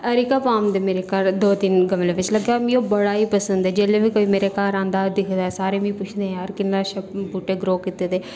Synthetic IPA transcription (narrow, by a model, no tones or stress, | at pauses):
əɾikaːpaːmd̪eːmeːɾeːkəɾd̪oːd̪ɪnɡəmleːʋɪt͡ʃləɡaːmĩːoːbəɽaːiːpəsənd̪ɛːd͡ʒeːleːʋiːkoːiːmeːɾeːkaːɾãːnd̪aːd̪ɪkʰd̪aːsaːɾeːmĩːpʊt͡ʃʰd̪ẽːəɾkɪnːaːʃəbuːʈeːɡɾoːkit̪eːt̪eː